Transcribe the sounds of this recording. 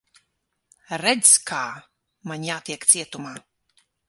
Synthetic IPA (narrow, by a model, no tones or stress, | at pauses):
ɾɛd̪zkʰaː | maɲjaːt̪iɛkt̪siɛt̪umaː